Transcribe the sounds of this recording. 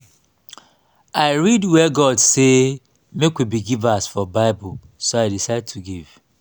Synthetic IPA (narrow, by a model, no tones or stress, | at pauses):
aɪɹidwɛɡɔdse | mekwibiɡivasfɔbaɪbʊl | soaɪdisaɪd̚tʰuɡiv̥